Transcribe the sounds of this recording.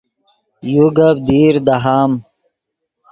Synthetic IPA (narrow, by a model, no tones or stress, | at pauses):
juɡɐbd̪iːɾd̪aɦaːm